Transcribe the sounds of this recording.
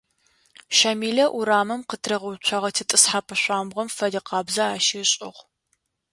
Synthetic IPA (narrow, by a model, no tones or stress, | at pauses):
ʃɐmiːɮɐʔuɾaːmɨmqətʰrɐʁɐwt͡ʃʷʰɐʁɐtʰɨtʼɨsħapʰɐɕʷaːmʁʷɐmfɐdiqɑːbzɐaːʃiːɕʼɪʁʷ